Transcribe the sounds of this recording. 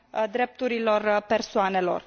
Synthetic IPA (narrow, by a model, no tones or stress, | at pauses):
d̪ɾe̞p̚t̪uɾilo̞rpe̞rsoane̞lo̞̰r